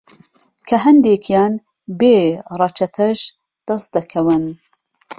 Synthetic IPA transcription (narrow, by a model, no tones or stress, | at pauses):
kʰɐɦɐnd̪eːkʰjaːn | beːrɑt͡ʃʰɐt̪ʰɐʒ | d̪̥ɐst̪̚d̪ɐkʰɐwɨn